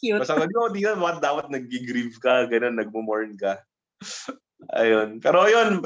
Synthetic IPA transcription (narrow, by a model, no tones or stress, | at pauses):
ukɐsɐɡɐd̪oʔd̪iːt̪ɐbaːkɐt̪̚d̪aːpɐt̪̚nɐɡ̚ːɪɡɾivkɐɡɐnonːɐɡ̚momoɹnkɐ | ʔɐ̰jonpɛːɾojon